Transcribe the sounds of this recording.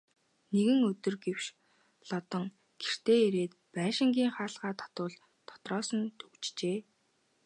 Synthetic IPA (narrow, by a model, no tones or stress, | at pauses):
neɣɘ̆ŋɵt̪ɵ̆rɡewʃ | ɮɔt̪ɞ̆ŋ | ɡ̥er̥t̪eːeɾeːt̪pæːʃɪ̆ŋɡʲiːŋχaːɮʁaːt̪ʰɔ̥t̪ʊːɮ | t̪ʰːɔ̥t̪rɔːsə̆nt̪ʰɵwt͡ɕt͡ɕeː